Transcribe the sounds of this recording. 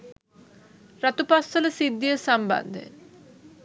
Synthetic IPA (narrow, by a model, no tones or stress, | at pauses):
ɾat̪upasːələsid̪ːijəsamba̰nd̪ʱḛ